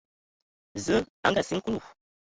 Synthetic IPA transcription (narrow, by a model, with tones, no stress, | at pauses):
zə˦a̰˦ŋ˦ɡa˨si˦ŋ̩˦ku˦lu˨w